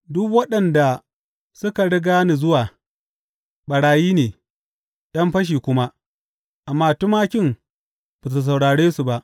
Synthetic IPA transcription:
dʊ˦kwɐ˦ɗɐ˨nda˨ | sʊ˦ka˨ɽɪ˦ɡaː˦ni˨zʊ˦waː˨ | ɓɐ˨ɽaː˨jiː˦neː˨ | ɗɐ˦mɸɐ˦ʃ̬iː˨kʷʊ˦ma˦ | ʔa˨mːaː˦tʊ˦maː˦kʲɪ˦m | ba˨s̬u˨s̬a˨wɽaː˨ɽeː˦su˨ba˨ʔ

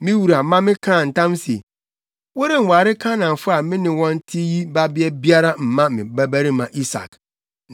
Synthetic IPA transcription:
mɪ̃˦wu˨ɾa˨mã˦mɪ̃˦kʰã˦˨n̩˨tʰã˦mse˨ | wo˦ɾe˨n̩˨wa˨ɾɪ˦kʰã˦nã˨ɱ˨fʊ˦a˨mɪ̃˦nɪ̃˨˦wɔ̃˦n̩˦tʰi˦ji˦ba˦bɪ˦ɛ˦bi˦a˦ɾa˦m̩˨mã˦mɪ̰̃˨bæ˦bæ˦ɾi˦mã˨ʔi˦sa̰˨k

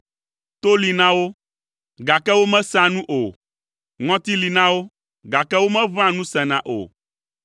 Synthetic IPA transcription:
t̪o˦li˨nã˦wo˦ | ɡa˨kɛ˦wo˦mɛ̃˦sã˦nũ˦ʔo˨ | ŋɔ̃˦t̪i˦li˨nã˦wo˦ | ɡa˨kɛ˦wo˦mɛ̃˦vã˦nũ˦sɛ̃˨nã˨ʔo̰˨

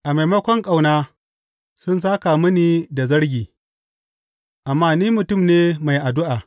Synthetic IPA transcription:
ʔa˨ma˨jmɐ˦kʷɔ˦ŋkʼa˨wnaː˦ | sʊ˦ns̬aː˦ka˨mʊ˦niː˦˨da˨zɐ˦ɽɡʲiː˨ | ʔa˨mːaː˦niː˦mʊ˨tʊ˦˨mneː˦ma˨jʔa˨dʊ˦ʔaː˨

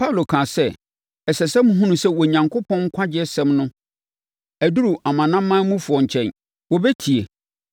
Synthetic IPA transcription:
pʰa˦u˨lo˨kʰãː˨sɛ˦ | ɛ˨sɛ˨sɛ˦m̃˦ɦũ˦nũ˨sɛ˦wɔ˨ɲã˨ŋkʰʊ˦pʰɔ̃˦ŋ̩˦kʰʷa˦d͡ʑɪ˦ɛ˦sɛ̃˦mnʊ̃˦ | æ˨du˦ɾu˨ʔa˨mã˨nã˦mː˦ã˦mũ˦fʊ˨ɔ˨ɲ̩˨t͡ɕʰɛ̃˦˨n | wɔ˨bɛ˦tʰi˨e˨

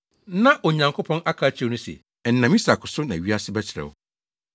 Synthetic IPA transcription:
nã˦ʔɔ˨ɲã˨ŋkʰo˦pʰɔ̃˦na˦kʰaː˨˦t͡ɕʰnʊ̃˦sḛ˨ | ɛ˨n̩˦nːã˨mĩ˦sa˨kʰʊ˨sʊ˦nã˨ɥi˦a˦sɪ˦bɛ˦t͡ɕʰɪ˨ɾɛ̰˨wʊ̰˨

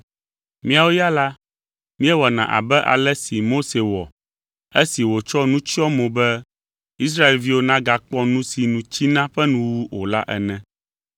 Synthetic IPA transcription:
mĩ˦a˨wo˦ja˦la˦ | mĩ˦ɛ˦wɔ˨nã˨ʔa̰˨bɛ˦ʔa̰˨lɛ˦si˨mo˦se˨wɔ˨ | e˦si˨wo˨t͡ʃɔ˦nũ˦t͡ʃi˦ɔ˦mõ˨bɛ˦ | i˦s̬ɾa˦e˨lvi˦wo˦nã˦ɡa˨k͡pɔ˦nũ˦si˨nũ˨t͡ɕi˦nã˦ɸɛ˦nũ˦wu˦o˨la̰˦ʔɛ˨nɛ̃˦

